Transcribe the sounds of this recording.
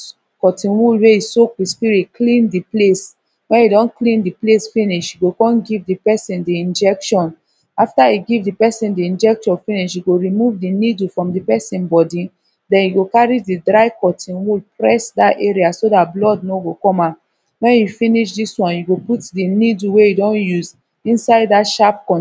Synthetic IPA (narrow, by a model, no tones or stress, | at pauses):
kɔtĩnwulweisokwispiɹitklĩndiples | wɛ̃njidɔ̃nklĩndiplesfĩniʃjiɡokɔ̃nɡivdipɛsĩndiĩnd͡ʒɛkʃɔ̃n | aftaiɡivdipɛsĩndiĩnd͡ʒɛk̚t͡ʃɔ̃nfĩniʃiɡoɹimuvdinidufɹɔ̃mdipɛsĩnbɔdi | dɛ̃njuɡokaɹididɹaɪkɔtʰĩnwepɹɛsdateɹiasodatblɔdnoɡokɔma | wɛ̃njufĩniʃdiswɔ̃njuɡoputdiniduwejudɔ̃njuz | ĩnsaɪddatʃap̚kɔ̃